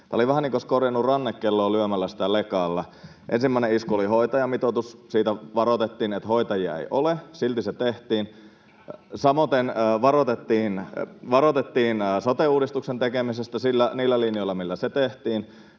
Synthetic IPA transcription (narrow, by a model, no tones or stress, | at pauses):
t̪æːoliʋæɦæniːŋkoskorjɑnːurɑnːekːelːoːlyømælːæsi̥t̪ælekɑːlːɑ | ʔḛnsimːæˑineiskuoliɦoit̪ɑjɑmit̪ot̪ussiːt̪æʋɑɾot̪et̪ːiːnet̪hoit̪ɑjiɑ̰ḛjʔolesilt̪iset̪eht̪iːn | sɑmot̪enːʋɑrot̪et̪ːiːnʋɑɾot̪et̪ːiːnːsot̪euːdist̪uksent̪ekemisest̪æsilːæniːlːælinioilːɑmilːæset̪eht̪iːn